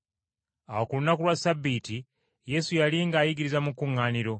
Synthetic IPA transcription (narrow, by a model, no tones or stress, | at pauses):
awokulunakulwasabːiti | je̞sujaliŋɡaːjiɡiɾizamukuŋːaːniɾo̞